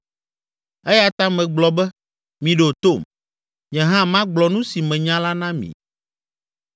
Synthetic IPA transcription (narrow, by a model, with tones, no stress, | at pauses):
ɛ˦ja˦t̪a˦mɛ̃˨ɡ͡blɔ˨bɛ˦ | mĩ˨ɖo˨t̪o˦˨m | ɲɛ̃˨ɦã˦mã˦ɡ͡blɔ˨nũ˦si˨mɛ̃˨ɲã˦la˦nã˦mḭ̃˨